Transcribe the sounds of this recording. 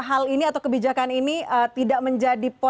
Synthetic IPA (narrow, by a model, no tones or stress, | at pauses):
ɦaliniat̪awkəbid͡ʒakaniniət̪idaʔməɲd͡ʒadipɔ